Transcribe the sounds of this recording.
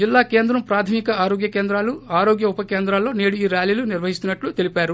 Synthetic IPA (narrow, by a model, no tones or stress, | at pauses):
d͡ʒilːaːke̞ːnd̪ɾɐmpɾaːt̪ʰɐmikɐaːɾoːɡjɐkeːnd̪ɾaːluaːɾo̞ːɡjɐupɐkeːnd̪ɾaːlːo̞ːneːɽuiːɾjaːliːluniɾʋɐɦist̪unːɐʈlut̪elipaːɾu